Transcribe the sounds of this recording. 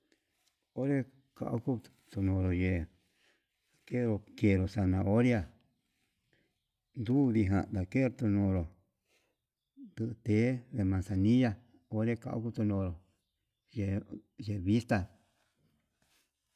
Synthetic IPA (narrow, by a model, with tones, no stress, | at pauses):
o˦ɾe˦ | ka̰˧ʔo˦ku˦ | t̪u˧nõ˧˨ɾo˨je˧ | a˨ke˦ɾo˧ke˧˨ɾo˨sa˧nã˧o˦ɾja˧ | nd̪uː˦ði˧ɦã̰˧d̪a˨ke˦˧ɾt̪u˧nõ˧ɾo˨ | d̪ɨ˧ʔɨ˧t̪e˨˦ðe˧mã˨nsa˧nĩ˦ja˧ | o˧˦ɾe˦˧ka̰˧ʔo̰˦ku˧t̪u˧nõ˧ɾo˨ | je˧je˧βi˦st̪a˧